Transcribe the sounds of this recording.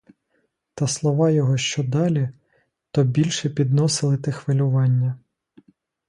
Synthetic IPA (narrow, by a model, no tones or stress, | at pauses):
t̪ɐslˠɔʋɑjɔɦɔʃt͡ʃɔd̪ɑlʲi | t̪ɔbʲilʲʃɛpʲid̪nɔsɪlˠɪt̪ɪxʋɪlʲʊʋɑnʲːɐ